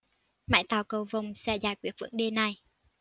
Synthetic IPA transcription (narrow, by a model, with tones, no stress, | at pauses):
ma̰ː˧˥jt̪aː˨˩wkə˨˩wvə˨˩wŋ͡msɛ̰˧˥zaː˨˧˩jkwi˧˨˩ət̚vɨ̰˧˥ŋɗe˧na˨˩j